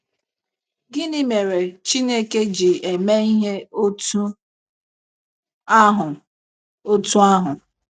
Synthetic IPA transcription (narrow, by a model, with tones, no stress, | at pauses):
ɡɪ˦nɪ˦me˨ɾe˨t͡ʃi˦ne˦ke˦d͡ʒi˨e˨me˦i˦ɦe˦o˦tu˦ | a˦ɦʊ˨ | o˦tu˦a˦ɦʊ˨